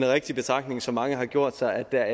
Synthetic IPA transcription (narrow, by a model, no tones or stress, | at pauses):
nʁɛɡ̥̚d̥ib̥e̝t͡sʰʁɑ̈ɡ̥ne̝ŋsɒ̽mːɑ̈ŋəɦɑ̈ɡ̥jo̝ɐ̰d̥sɑ̈ɪæd̥ːæɐ